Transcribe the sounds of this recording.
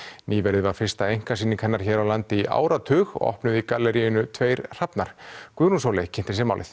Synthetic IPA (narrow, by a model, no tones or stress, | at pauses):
niːvɛɾðɪvaɾ̥fɪrst̪aejŋ̥kḁsiːniŋkʰhɛnːaɾ̥çɛːɾawlant̪ɪiʔa̰ːwɾat̪ʰʏːɣ̰ʔɔ̰hpnʏðikalɛɾijʏnʏt̪ʰveːjɾr̥apnaɾ̥kvʏːɾunsoːwlɛcʰɪnt̪ɪɾsɛmaːwlɪ̰θ